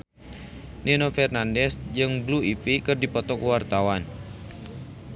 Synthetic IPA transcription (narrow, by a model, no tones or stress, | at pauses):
nenofɛrnandɛsd͡ʒɨŋbluifikɨrdipɔt̪ɔkuwart̪awan